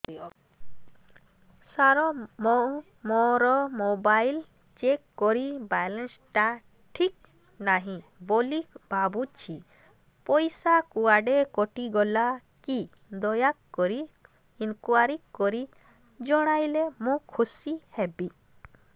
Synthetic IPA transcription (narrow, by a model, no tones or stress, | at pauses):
saɾɔmɔ | mɔɾɔmobajl | t͡ʃekːɔɾibajlensʈa | ʈʰik̚ | naɦĩbolikbabut͡ʃʰi | pɔjsakuaɖekɔʈiɡɔla | ki | d̪ɔjakːɔɾi | inkuaɾikːɔɾi | d͡ʒɔɽ̃ajlemũkʰːusihɛbi